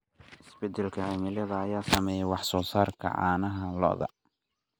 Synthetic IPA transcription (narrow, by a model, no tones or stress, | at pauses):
ʔɪsbɛd̪ɛlkʰɐhɛmɪlɐðɐːjaːsɐmɛːjɛwɑħsɔːsaːrkʰɐ̰ʕɑ̰ːnɐɦɐlɔ̰ðɐ̰